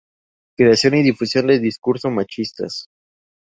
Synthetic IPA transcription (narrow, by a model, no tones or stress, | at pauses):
kɾeasjo̞niðifusjo̞nd̪eld̪iskuɾsomat͡ʃist̪a̰s